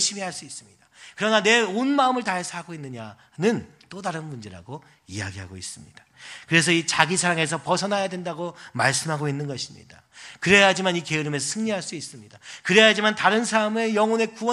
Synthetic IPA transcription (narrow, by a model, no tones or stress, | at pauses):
ɕʰimiɦaɭs͈uis͈ɯmɲidakɯɾʌnane̞onmaɯmɯɭtaɦesʰʌaɡoinːɯɲa | nɯn | t͈odaɾɯnmund͡ʑe̞ɾa̰ɡo | ija̰ɡiɦa̰ɡois͈ɯmɲid̥ḁkɯɾe̞sʰʌit͡ɕaɡisʰaɾaŋe̞s̬ʰʌpʌsʰʌnɦajadwe̞ndaɡomaɭs͈ɯmɦaɡoinːɯnɡʌɕʰimɲḭda | kɯɾe̞ad͡ʑimanike̞ɯɾɯme̞sʰʌsʰɯŋɲiɦaɭs͈uis͈ɯmɲidakɯɾe̞jad͡ʑimantaɾɯnsʰamejʌŋone̞kuwʌ